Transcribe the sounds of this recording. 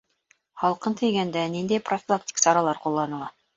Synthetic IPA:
hɑlˠqɤnt̪ɘ̆jɡænd̪ænind̪æjprofʲɪlˠak̚tʲi̥ksɑɾɑlˠɑɾqulˠːɑnɤ̆lˠɑ

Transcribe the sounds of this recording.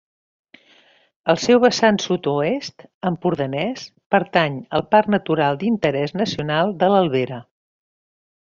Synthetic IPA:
əlˠsɛwβəsansut̪uest̪əmpuɾðənɛspəɾt̪aɲəlˠparnət̪uɾalˠd̪int̪əɾɛznəsiunalˠd̪ələlˠβeɾə

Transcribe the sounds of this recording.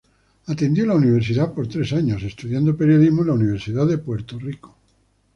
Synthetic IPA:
at̪e̞nd̪jolauniβ̞eɾsiðapo̞ɾt̪ɾesaɲo̞se̞st̪uðjand̪ope̞ɾjo̞ðizmoẽlauniβ̞e̞ɾsiðaðe̞pwe̞ɾt̪oriko̥

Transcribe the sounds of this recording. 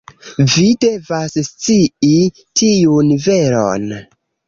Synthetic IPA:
vide̞vasst͡sii | tʰiunve̞ɾo̰n

